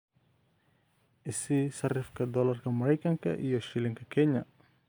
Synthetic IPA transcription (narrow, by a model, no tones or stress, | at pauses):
isisaɾifkadɔlarkamaɾɛkaŋka̰ʔijoʃiliŋkakɛɲa